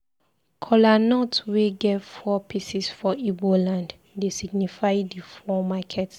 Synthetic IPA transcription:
kʰɔlanɔtweɡɛfɔpʰisisfɔibolãnd | desiɡnifajdifɔmakʰɛt

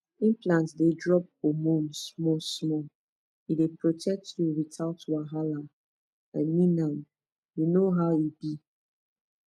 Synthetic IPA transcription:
ĩmplãntdedɹɔp̚omõnsmɔsmɔ | idepɹotʰɛk̚tʰjuwitaʊtwaɦala | ãnmĩnãm | junoɦaʊibi

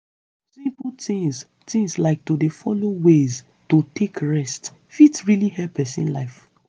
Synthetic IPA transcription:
sĩmpl̩tĩŋz | tĩŋslaɪk̚todefɔlowez | totʰekɹɛst | fitɹilihɛpʰɛsḭ̃nlaɪf

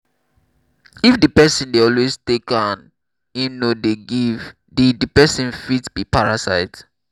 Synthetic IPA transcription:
ifdipɛsĩndeɔlwestekãn | ĩnːodeɡiv | diddipɛsĩnfitsbipʰaɹasaɪt

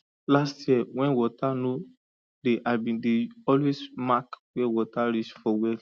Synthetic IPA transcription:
lastjɛwɛ̃nwɔtano | deʔabĩndeɔlwesmakwɛwɔtaɾit͡ʃfɔwɛl

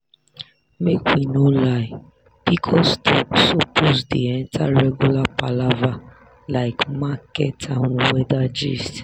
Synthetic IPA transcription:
mekʷinolaɪ | b̥ikʰɔstʰɔpsopʰosdiɛn̩tʰaɾɛɡulapalava | laɪkmakɛtʰaŋuwɛdad͡ʒist

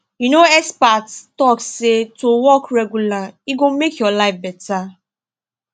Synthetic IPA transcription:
junoɛspattɔkssetowɔkɹɛɡulaiɡomekjɔlaɪfbɛta

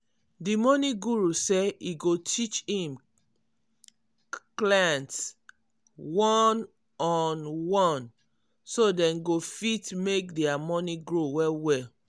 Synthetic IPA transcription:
dimɔniɡuɹuseiɡotʰit͡ʃhĩm | klãns | wɔ̃n | ɔnwɔ̃n | sodɛ̃nɡofitmek̚dɛamɔniɡɹowɛlwɛl

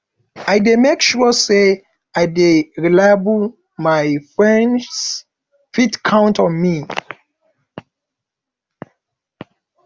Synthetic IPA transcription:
ajdemekʃuse | aɪdeɹilaɪbu | maɪfɹɛ̃ns | fitkʰãʊ̃ntɔ̃nmi

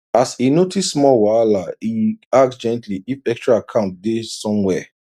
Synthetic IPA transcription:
asinotʰisːmɔwalaiak̚sd͡ʒɛ̃ntliifɛkstɹaakʰãʊ̃nt̚desɔ̃mwɛ

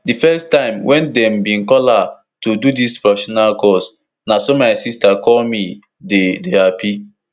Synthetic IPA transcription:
difɛstãɪ̃mwʔɛ̃ndɛ̃mbĩnkɔla | tududispɹɔfiʃɔnalkɔs | nasomaɪsistakɔlmi | dedeapi

